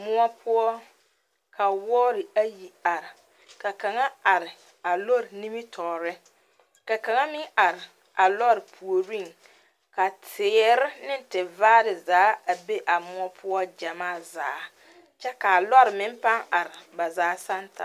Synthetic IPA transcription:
mʊ˦ɔ˦pʰʊ˦ɔ˦ | ka˨wɔ˦ɾɪ˨a˦ji˨a˨ɾɪ˨ | ka˨ka˨ŋa˦a˨ɾɪ˨ | a˨lɔ˦ɾɪ˨ni˦mi˦tʰɔː˨ɾɪ˦ | ka˨ka˨ŋa˦mɪ˦ŋʔa˨ɾɪ˨ | a˨lɔ˦ɾɪ˨pʰu˨o˨ɾi˦ŋ | ka˨tʰɪː˨ɾɪ˦nɪ˦n˦tɪ˨vaː˦ɾɪ˨zaː˨˦a˨be˦ʔa˨mʊ˦ɔ˦pʰʊ˦ɔ˦d͡ʒa˨maː˦˨za̰ː˨˦ | t͡ʃɛ˦ka˨lɔ˦ɾɪ˨mɪ˦m˦pa˦ŋa˨ɾɪ˨ba˨zaː˨˦sa˦ntʰa˨

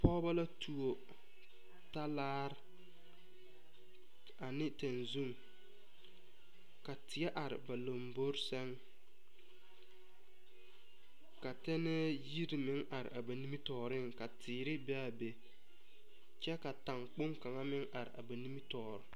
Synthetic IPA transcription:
pɔː˦ba˦la˦tʰu˨o˨ | ta˦laː˦ɾ | a˨nɪ˦te˨nzu˦ŋ | ka˨tʰɪ˨˦ɛ˦ʔa˨ɾɪ̰˨ba˨lo˨mbo˦ɾsɛ˦ŋ | ka˨tɛ˦nɛ˦ji˦ɾɪ˨mɪ˦ŋa˨ɾɪ̰˨ʔa˨ba˨ni˦mi˦tɔː˨ɾɪ˦ŋka˨tʰɪː˨ɾɪ˦bɛ˦a˨be˨ | t͡ʃɛ˦ka˨ta˨ŋk͡pʊ˦ŋka˨ŋa˦mɪ˦ŋʔa˨ɾɪ̰˨ʔa̰˨ba˨ni˦mi˦tɔː˨ɾɪ˨

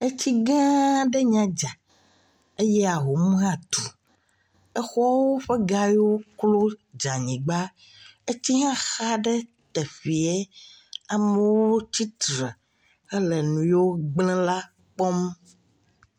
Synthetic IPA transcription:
e˦t͡ɕi˦ɡã˦ɖɛ˦ɲã˦d͡ʒa˨ | e˦jɛ˦a˨ɦo˨mũ˦ɦã˦t̪u˨ | ɛ˦xɔ˦wo˦ɸɛ˦ɡa˦jwo˦klo˦d͡ʒa˨ɲĩ˨ɡ͡ba˦ | e˦t͡ɕi˦ɦã˦xa˦ɖɛ˦ | t̪ɛ˨ɸi˨e˦ | a˨mɛ˦woo˦t͡ɕi˦t̪ɾɛ˨ | ɛ˦lɛ˨nũ˨jo˦ɡ͡blɛ̃˦la˦ | k͡pɔ˦m

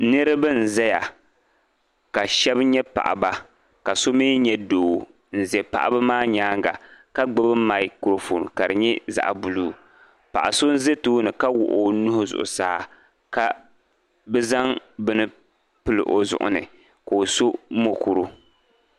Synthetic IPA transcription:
nɨ˦ɾɨ˦bɨ˦n̩˨zɛ˦ja˨ | ka˨ʃɛ˦bɲɛ˦pa̰˨ʔa̰˨ba˦ | ka˨so˦mi˦ɲɛ˦doː˨ | n̩˨zɛ˨pa̰˨ʔa̰˨bɨ˦maː˦ɲaː˦ŋɡa̰˨ka˦ɡ͡bʊ˦bɨ˦ma˨ɪ˦kɾo˨fo̰˨nka˨ɾɨ˨ɲɛ˦za̰˨ʔbu˨luː˦˨ | pa̰˨ʔa˨so˦n̩˦ze˦tuː˦nɨ˨ka˦wʊ̰˨ʔo˦nʊ˦hʊ˦zʊ̰˨ʔʊ̰˨saː˦˨ | ka˨ | bɛ˦za˦ŋbɨ˦nɨ˦ | pɨ˦lɨ̰˨ʔo˨zʊ̰˨ʔʊ̰˨nɨ̰˨ | ko˨so˦mo˨ku˨ɾu˦

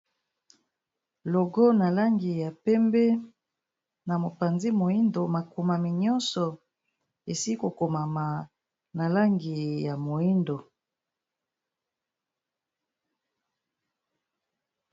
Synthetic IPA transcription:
lɔ˨ɡɔ˦na˨la˦ŋɡi˨ja˨pɛ˦mbɛ˦ | na˨mo˨pa˨nzi˦mo˨i˦ndo˨ma˨ku˨ma˨mi˨ɲɔ̃˦nsɔ˨ | e˨si˦ko˨ko˨ma˨ma˨ | na˨la˦ŋɡi˨ja˨mo˨i˦ndo˨

